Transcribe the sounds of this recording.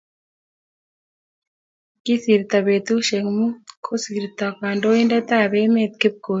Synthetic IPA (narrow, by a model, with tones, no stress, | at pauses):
ki˦si˨ɾit̪a˨βe˨t̪u˦ʃeŋmu˦kʰosiɾit̪akaː˨ndo˦i˦nda˦t̪a˦βe˦met̪̚ki˦p̚ko˨